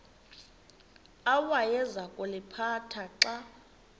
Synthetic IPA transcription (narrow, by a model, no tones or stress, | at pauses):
awajɛzakʼulɪpʰatʰaǁa